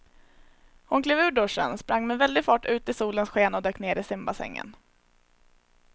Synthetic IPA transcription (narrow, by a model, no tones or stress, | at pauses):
hʊnkʰleːvʉ̟ːɖɵʂə̰nspɾʔaŋːmɛvɛld̪ɪɡfɑːʈʉ̟ːt̪ɪsuːlənsɧeːnɔd̪øːkneːɾɪsɪmbasɛ̰ŋːə̰n